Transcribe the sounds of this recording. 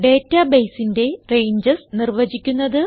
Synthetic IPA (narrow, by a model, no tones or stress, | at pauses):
ɖe̞ːtːɐbejsinde̞re̞jɲd͡ʑɐsnirʋɐd͡ʑikʲːunːɐðɨ